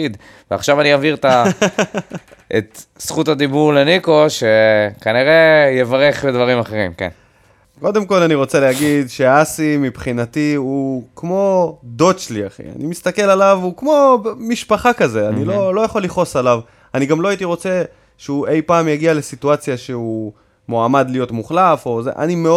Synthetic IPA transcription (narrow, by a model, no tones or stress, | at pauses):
id̪ | vea̰χʃavaniaviʁt̪a | ʔet̪sχutad̪ibuʁleniko̞ʃekaniʁe̞jevaʁeχledvaʁimaχeʁḭmkḛn | ko̞d̪e̞mko̞laniʁo̞t͡se̞leɦaɡid̪ʃe̞asimipχinatiukmo̞d̪o̞d̪ʃlia̰χḭa̰nimist̪ake̞lalavukmo̞miʃpaχakaze̞anilo̞lo̞jaχo̞liχo̞salav | aniɡamlo̞ait̪iʁo̞t͡se̞ | ʃeue̞jpaːmjaɡialesituat͡sjaʃeu | moamad̪lijo̞t̪muχlafo̞zḛʔa̰nime